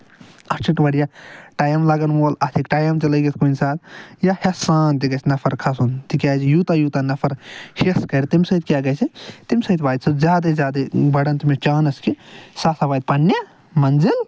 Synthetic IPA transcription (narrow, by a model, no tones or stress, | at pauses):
ɐt͡ʃʰiʈbɐɽijaʈaːjɐmlaɡɐnmoːlɐt̪ʰikʈaːjɐmt͡ʃɐlɐjɡit̪ʰkunsaːd̪jahesaːnt̪ikɐt͡ʃʰnɐpʰɐɾkʰɐsunt̪ikʲaːt͡ʃʰijut̪ajuːt̪anɐpʰɐɾheskɐɾt̪imsɐt̪kʲaɡɐt͡ʃʰit̪imsɐt̪ʰbaːjt̪sʰɐzjaːd̪ɐzʲjaːd̪ɐbɐɽɐnt̪imet͡ʃaːnɐskisaːsabaːjt̪̚pɐnjɐ | mɐnzil